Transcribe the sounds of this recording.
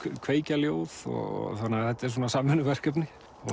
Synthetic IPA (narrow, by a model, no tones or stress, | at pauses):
kʰveːjcaljoːwðɔ̰ɣɔ̰θanːɪaθɛt̪aɛɾs̬oːnasaːmɛnʏvɛr̥kœp̬nɪ | ɔ